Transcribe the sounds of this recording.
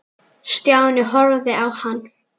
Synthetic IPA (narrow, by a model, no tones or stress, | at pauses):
st̪jaːwnɪɦɔɾðɪawhanː